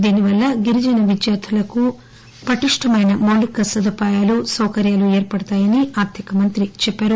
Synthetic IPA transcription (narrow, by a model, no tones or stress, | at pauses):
d̪iːniʋɐlːɐɡiɾid͡ʒɐnɐʋid̪jaːt̪ʰulɐku | pɾɐʈiʂʈʰɐmɐjnɐmoːlikːɐsɐd̪ɐpaːjaːlusɐwkɐɾjaːluɛːɾpɐɽɐt̪aːjɐniaːɾt̪ʰjɐkɐmɐnt̪ɾit͡ʃɛpːaːɾu